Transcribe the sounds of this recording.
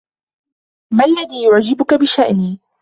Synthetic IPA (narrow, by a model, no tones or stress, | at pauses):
malːaðiːjʊʕd͡ʒɪbʊkabɪʃaʔniː